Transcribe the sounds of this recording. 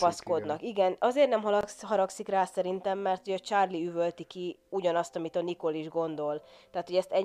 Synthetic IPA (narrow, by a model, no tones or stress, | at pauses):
ɒsko̞d̪nɒkiɡɛnɒzeːrnɛmɦɒɦɒɾɒksikraːsɛɾint̪ɛmːɛrt̪ho̞ɟɒt͡ʃaːrliyvølt̪ikiuɟɒnɒst̪ɒmit̪ɒniko̞liʒɡo̞nd̪o̞lt̪aːt̪hoɟɛst̪ɛ